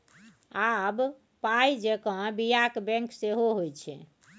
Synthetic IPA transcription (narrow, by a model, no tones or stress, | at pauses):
ab | pajd͡ʒekə̃bijakbɛ̃ŋkseɦoɦojt͡ʃʰɛ̰